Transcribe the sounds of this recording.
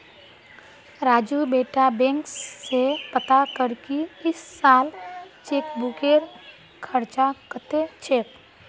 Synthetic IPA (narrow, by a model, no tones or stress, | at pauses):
ɾaːd͡ʒubeːʈabɛ̃ːŋkːepət̪akəɾkiɪsːaːlt͡ʃeːkbʊkeɾ | kʰəɾt͡ʃakət̪et͡ʃeːk